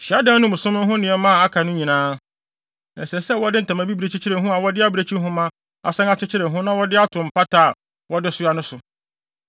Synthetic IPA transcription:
ɕɪ˨a˦dã˦nʊ̃˦mʊ̃˨sʊ̃˦mʊ̃˦ɦʊ̃˦nɪ̃˨ɛ˨mã˦˨a˦kʰa˨nʊ̃˦ɲĩ˨nãː˦ | nã˨sɛ˨sɛ˦wɔ˦dɪ˦n̩˨tʰã˨mã˨bi˦bi˨ɾe˨t͡ɕʰi˦t͡ɕʰɪ˦ɾɪ˨˦ɦũ˦a˨wɔ˦dɪ˦a˦bi˨ɾe˨t͡ɕʰi˦ɦʊ̃˦mã˦ | a̰˨sɛ̃˦ŋa˦t͡ɕʰɪ˦t͡ɕʰɪ˦ɾɪ˨ɦʊ̃˦nã˦wɔ˦dɪ˦a˦tʰʊ̃˨m̩˨pa˦tʰaː˦˨ | wɔ˦dɪ˦sʊ˦a˦nʊ̃˦sʊ˨

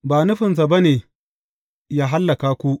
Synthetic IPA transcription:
baː˨nʊ˦ɸɪ˨ns̬a˨ba˦neː˨ | jaː˦ɦa˦lːɐ˨kaː˦kʷu˦ʔ

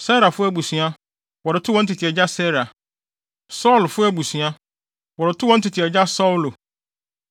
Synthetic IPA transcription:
sɛ˦ɾa˨fʊ˦æ˦bu˨sɥa˦ | wɔ˨ɾɪ˨tʰʊ˦wɔ̃˦n̩˦tʰɪ˨tʰɪ˨ɛ˨d͡ʑa˦sɛ˦ɾa˨ | sɔ˦˨lfʊ˦æ˦˨bu˨sɥ̃ã˦ | wɔ˨ɾɪ˨tʰʊ˦wɔ̃˦n̩˦tʰɪ˨tʰɪ˨ɛ˨d͡ʑa˦sɔ˦ʊ˨lo˨

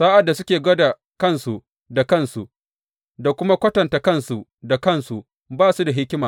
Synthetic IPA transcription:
saː˦ʔa˨dːa˨sʊ˦kʲeː˨ɡɐ˦da˨ | kɐ˦nsu˨ | da˨kɐ˦˨nsu˨ʔ | da˨kʷʊ˦ma˦kʷɐ˦tɐ˨ntaː˨kɐ˦nsu˨ʔda˨kɐ˦˨nsu˨ | baː˦su˦da˨ɦɪ˦kʲmaː˨

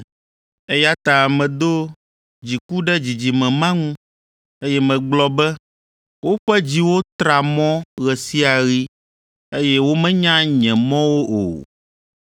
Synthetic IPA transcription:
e˦ja˦t̪a˨mɛ̃˨d̪o˦ | d͡ʑi˨ku˦ɖɛ˦d͡ʑi˨d͡ʑi˨mɛ̃˨mã˦ŋũ˦ | e˦jɛ˦mɛ̃˨ɡ͡blɔ˦bɛ˦ | wo˦ɸɛ˦d͡ʑi˦wo˦t̪ɾa˨mɔ̃˦ɣɛ˨si˦a˨ɣi˦ | e˦jɛ˦wo˦mɛ̃˦ɲã˦ɲɛ̃˨mɔ̃˦wo˦ʔo̰˨

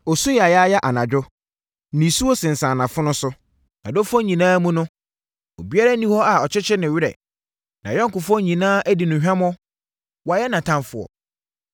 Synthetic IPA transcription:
ɔ˨sʊ˦jɛ˨a˨ja˦jɛ˦ʔa˨nã˨d͡ʑᶣʊ˦ | nĩ˨su˦wo˦sɪ̃˨n̩˨sã˨nã˨fʊ˦nʊ̃˦sʊ˦ | nã̰˨do˦fɔ̃˦ɲĩ˨nãː˦mũ˦nʊ̃˦ | o˨bi˦a˦ɾa˦nĩ˦hɔ˦a˨ɔ˨t͡ɕʰɪ˦t͡ɕʰɪ˦nɪ̃˨ɥɪ˦ɾɛ̰˨ | nã˨jɔ̃˦ŋ̩˨kʊ˨fɔ˦ɲĩ˨nãː˦ʔæ˦di˨nʊ̃˨ɦᶣã˦m˦ɔ˦ | wa˨jɛ˦nã˨tʰã˦mfʊ˨ɔ̰˨

